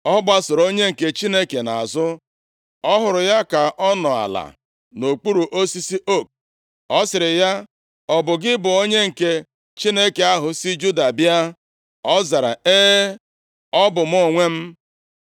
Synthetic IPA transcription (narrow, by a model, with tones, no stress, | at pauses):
ɔ˦ɡ͡ba˦sʊ˨ɾo˦ɲe˦ŋ̩˨ke˨t͡ʃi˦ne˦ke˨na˨a̰˨zʊ˦ | ɔ˦ɦʊ˨ɾʊ˨ja˦ka˨ʔɔ˦nɔ˨a̰˨la̰˨ | no˨k͡pu˦ɾu˨ʔo˦si˦si˦ʔo˦˨k̚ | ɔ˦sɪ˨ɾɪ˨ja˦ | ɔ˨bʊ˨ɡɪ˦bʊ˨o˦ɲe˦ŋ̩˨ke˦ | t͡ʃi˦ne˦ke˨a˦ɦʊ˨si˦d͡ʒu˦da˨bja˦ | ɔ˦za˨ɾa̰˨e˦ | ɔ˦bʊ˨m̩ʊ˦˨ŋʷe˦m̩˦